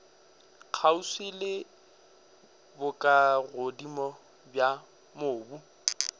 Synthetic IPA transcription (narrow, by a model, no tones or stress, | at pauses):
k͡xʰausilɪ | bʊkʼaɣodimɔ | bja | moːbu